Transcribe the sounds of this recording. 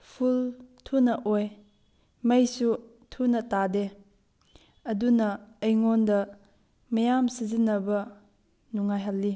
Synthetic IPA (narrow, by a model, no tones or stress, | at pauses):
pʰultʰunɐʔoj | mɐjsu | tʰunɐtade | ɐdunɐːjŋondɐ | mɐjamsizinːɐbɐ | nuŋːajɦɐlːi